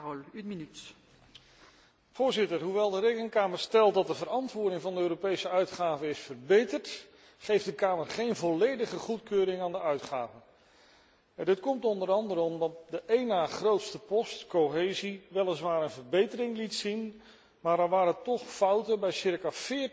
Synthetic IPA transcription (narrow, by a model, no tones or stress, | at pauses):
lynminyt | vʊːɹzɪtəɹɦuʋɛlˠdəɾejkəŋkaːməɹstɛlˠtdɑt̚dəvəɾɑntʋʊːɹdɪŋvɑndəøːɾopejsəœɥtχaːvəɪsfəɹbejtəɹt | χejfdəkaːməɹχejnvɔlejdəχəχutkøːɾɪŋaːndəœɥtχa̰ːvə | ɛndɪtkɔmtɔndəɾɑndəɾəɔmdɑt̚dəʔejnaːχrowtstəpɔstkowɦejziʋɛlˠəsʋaːɾənvəɹbejtəɾɪŋlitsin | maːɹdɛʋaːɾətɔχfʌwtənbɛjsɪɹkafɪː